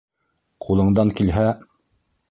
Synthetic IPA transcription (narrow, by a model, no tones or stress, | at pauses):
qʰulˠɤ̆ɴd̪ɑŋkilɦæ